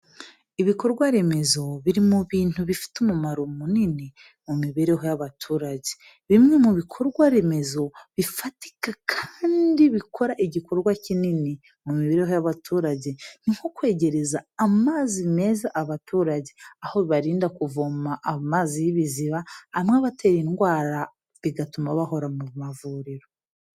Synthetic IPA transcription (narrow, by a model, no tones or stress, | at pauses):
iβiko̞ɾɡwaɾe̞me̞zo̞βiɾimuβiːn̥uβifi̥tumumaɾomunini | mumiβeɾe̞ɦo̞jaβatʰuːɾaɟe | βimŋe̞muβikʰo̞ɾɡwaɾe̞me̞zo̞βifati̥kakʰaːndiβikʰo̞ɾaʔiɟiko̞ɾɡwacinini | mumiβeɾeɦo̞jaβatʰuːɾaɟe̞n̥iŋho̞kwe̞ːɟe̞ɾe̞zaːmaːzime̞ːzaʔaβatuːɾaɟe̞ahoβaɾiːndakuvomaʔːmaːzijiβiziβaːmŋaβate̞ːɾinɡwaːɾa | βiɡatumaβaho̞ɾamumavuːɾiɾo̞